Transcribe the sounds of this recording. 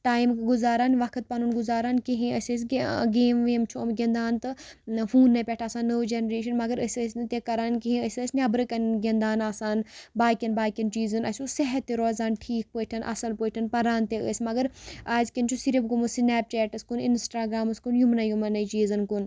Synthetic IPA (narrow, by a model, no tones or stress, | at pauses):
ʈaːjmkɡuzaːɾaːnʋɐkʰɨt̪̚pɐnunɡuzaːɾaːnkiɦĩəsʲəs̬ʲɡeːmʋeːmt͡ʃʰomɡʲend̪aːnt̪ɨ | fuːnːɐpʲɛʈʰaːsaːnːəːwd͡ʒenɐɾeːʃ̬ɐnmɐɡɐɾəsʲəsnt̪ekɐɾaːnkiɦĩəsəːsʲnʲɐbɾɨkɐnɡʲend̪aːnaːsaːnbaːkʲɐnbaːkʲɐnt͡ʃiːzɐnɐsʲusɐɦɐt̪ːiɾoːzaːnʈʰiːk̚pəːʈʰɐnʔɐ̰sɐlpəːʈʰɐnpɐɾaːnt̪eə̰ːsʲmɐɡɐɾaːzkɐnt͡ʃʰusiɾibɡumusinɛːp̚t͡ʃɛːʈɐskuninsʈaːɡɾaːmɐskunjumnɐjumɐnɐt͡ʃiːzɐnkun